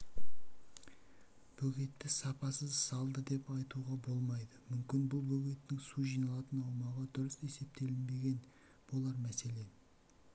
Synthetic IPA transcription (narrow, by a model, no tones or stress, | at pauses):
b̥ɵɡʲe̞t̪ːɪsɑpɑsəzsɑlˠd̪əd̪e̞pɑjt̪uʁɑbo̞lˠmɑjd̪əmʏmkʲɪnbʊlˠbɵɡʲe̞t̪ːɪŋsuʒijnɑlˠɑt̪ənɑwmɑʁɑd̪ʊɾəse̞se̞p̚t̪ʰe̞lɪnbe̞ɡʲe̞n | b̥o̞lˠɑɾmæse̞le̞